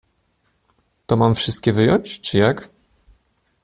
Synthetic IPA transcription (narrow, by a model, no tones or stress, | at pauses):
t̪ɔmamfʂɘst̪kʲɛvɘjɔɲt͡ɕt͡ʂɘjak